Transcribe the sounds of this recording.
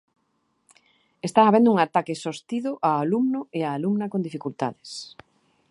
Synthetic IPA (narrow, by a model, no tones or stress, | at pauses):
est̪aŋaβend̪ʊuŋat̪akɪsost̪iðʊʔaːlumnʊeaːlumnɐkond̪ifikult̪a̰ðɪs